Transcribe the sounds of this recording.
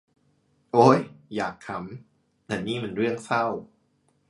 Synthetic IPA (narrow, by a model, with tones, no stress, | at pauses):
ʔoː˦˥˩jjaː˨˩k̚ʰːa˦˥m | t̪ɛː˨˩niː˥˩ma˧nɾɯ˥˩ək̚sa˥˩w